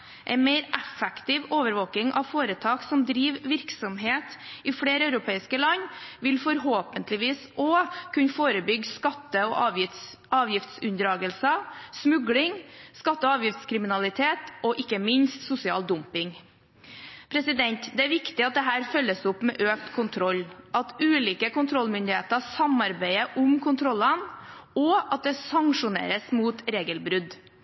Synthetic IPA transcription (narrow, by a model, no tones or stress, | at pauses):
ʔɛ̰ɪnmeɪɾɛfɛkt̪ɪʋoːʋəɾʋoːkɪŋʔɑ̰ʋfoːɾət̪ʰɑːksɔmd̪ɾiːʋʋɪɾksɔmɦeːt̪ɪfɽeːɾəɑʉɾʊpʰeːɪskəlɑnːʋɪlfɔɾɦoːpənt̪lɪʋiːsʔokʰʉnfoːɾəbʏɡskɑt̪ːəɔʔɑ | ʔɑːʋjɪft̪sʉnd̪ɾɑːɡəlsəsmʉɡlɪŋskɑt̪ːəɔɑːʋjɪft̪skʰɾɪmɪnɑlɪt̪ʰeːt̪ʔɔʔɪkːəmɪnst̪sʊsɪɑ̰ːld̪ʊmpɪŋ | pʰɾɛsɪd̪ɛnt̪d̪ɛæɾʋɪkt̪ɪɑt̪̚d̪ɛɦæːɾfœlːəsʊpːmɛ̰ːʔøːkt̪kʰʊnt̪ʰɾɔlːʔɑt̪ʉːliːkəkʊnt̪ʰɾɔlmʏnd̪ɪheːt̪əsɑmɑɾbæɪəʔʊmkʰʊnt̪ʰɾɔlːənɔɑt̪̚d̪ɛsɑŋʂʊnḛːɾəsmuːt̪ɾeːɡəlbɾʉd̪